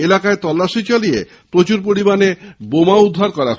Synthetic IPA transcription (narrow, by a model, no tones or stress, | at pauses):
elakaet̪ɔlːaʃit͡ɕalije | pɾot͡ɕuɾp̬oɾibanebomaud̪ʱːaɾkɔɾa